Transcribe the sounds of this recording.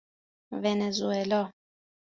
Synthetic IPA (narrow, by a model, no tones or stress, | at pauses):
vɛnɛzuɛlɔ